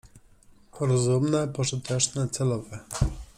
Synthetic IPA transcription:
pʰɔɾɔzumnɛpɔʐɘt̪ʰɛt͡ʂnɛt̪sɛlɔvɛ

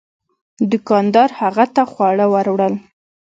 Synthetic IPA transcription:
d̪ʊkɑnd̪ɑɾhaɣat̪axwɑɽəwaɾwɽəl

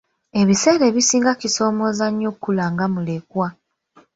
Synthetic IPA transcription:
e̞βise̞ːɾe̞βisiːŋɡaciso̞ːmo̞ːzaɲːo̞kːulaːŋɡamule̞kwa

